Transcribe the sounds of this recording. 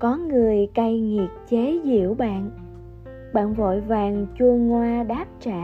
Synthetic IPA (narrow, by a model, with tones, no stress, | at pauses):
kɔ˨˦ŋɨ˨˩əjka˧jŋi˨˩əp̚t͡ɕe˨˦zḭ˧˨əwɓa̰ː˧˨n | ɓa̰ː˧˨nvo̰˧˨jvaː˨˩ŋt͡ɕu˧əŋwaː˧ɗaː˦˥p̚t͡ɕa̰ː˧˨